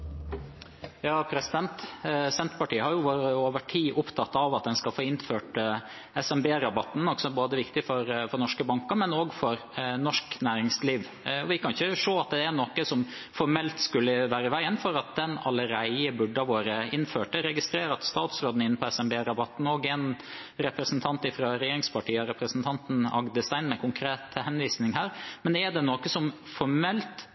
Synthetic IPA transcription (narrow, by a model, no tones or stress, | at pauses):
jɑːpʰɾɛsɪd̪ɛnt̪sɛnt̪əpɑʈiːəhɑɾjʊʋoːɾəoːʋəʈʰiːʔʊpt̪ʰɑt̪ːɑʋɑt̪̚d̪ɛnskɑlfoːɪnføːʈə | ɛsɛmbeːɾɑbɑt̪ːn̩ɔksɔboːd̪əʋɪkt̪ɪfɔɾfɔɾnɔʂkəbɑŋkəɾmɛnoːɡfɔɾnɔʂknæːɾɪŋsliːʋ | ɔʋɪkʰɑnɪçəʂoːɑt̪̚d̪ɛænɔkəsɔm | fɔɾmɛlt̪skʉlːəʋæːɾəʋæɪənfɔɾɑt̪̚d̪ɛnɑlːəɾæɪəbʉɖɑʋoːɾəɪnføːʈəɾɛɡɪst̪ɾeːɾəɑt̪st̪ɑːt̪sɾoːd̪n̩ɪnːəpʰɔɛsɛmbeːɾɑbɑt̪ːn̩ɔɡɛn | ɾɛpɾəsnt̪ʰɑnt̪ɪfɾɑɾɛjeːɾɪŋspʰɑʈʰiːəɾɛpɾəsn̩t̪ʰɑnt̪n̩ɑ̰ɡd̪əst̪æɪnmɛkʊŋkʰɾeːt̪hɛnʋiːsnɪŋhæːɾmɛnd̪æɖɛnokəsɔm | fɔɾmɛlt̪